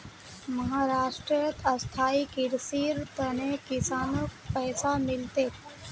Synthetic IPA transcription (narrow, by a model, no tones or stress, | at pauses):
məɦaːɾaːʂʈɾəjət̪ʰəst̪ʰaːikiɾsiːɾt̪ənekisaːnək̚pɛːsamɪlt̪e